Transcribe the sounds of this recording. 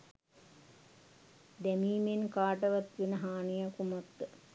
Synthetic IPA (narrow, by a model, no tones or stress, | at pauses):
d̪æmiːmenkaːʈɐʋɐt̪ʋenəɦaːnijakumɐt̪ː